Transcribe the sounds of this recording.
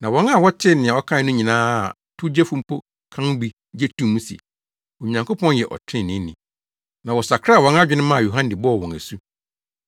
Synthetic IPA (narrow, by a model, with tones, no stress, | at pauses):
nã˨wɔ̃˦na˨wɔ˦t͡ɕʰɪ˦nɪ̃˨ã˨wɔ˦kʰã˦nʊ̃˦ɲĩ˨nãː˦˨ | tʰʊ˦d͡ʑɛ˦fũ˦m˦pʰo˦ | kʰã˦ŋ˦bi˦ | d͡ʑɛ˦tʰũ˦mũ˦si˨ḛ˨ | o˨ɲã˨ŋkʰo˦pʰɔ̃˦njɛ˨ʔɔ̰˨tʰɪ̃˦˨nɪ̃˦nɪ̃˨ | nã˨wɔ˨sa˨kʰɾa˦˨wɔ̃˨˦n˦a˦d͡ʑᶣɪ˦nɪ̃˦mã˦˨jo˨ɦã˦n˦dɪ˨bɔ˦˨wɔ̃˨ŋæ˨su˦